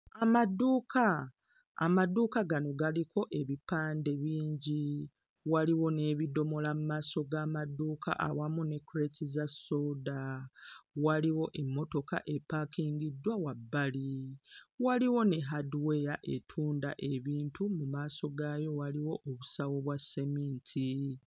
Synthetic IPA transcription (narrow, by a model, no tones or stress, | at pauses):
amadːuːkʰa̰ː | maduːkaɡano̞ɡalikʰo̞ʔe̞βipaːnde̞βiːɲɟi | waliwo̞ne̞ːβido̞mo̞lamumaːso̞ɡaːmadːuːka̰ʔa̰wamune̞kːuɾetizaso̞ːda | waliwo̞ʔemːo̞to̞ka̰ʔe̞pːaːkiːŋɡidːwawabːali | waliwo̞ne̞ɦaduwe̞jaʔetʰuːnda̰ʔe̞βiːntumumaːso̞ɡaːjo̞waliwo̞ʔːβusawo̞βwasːemiːntʰi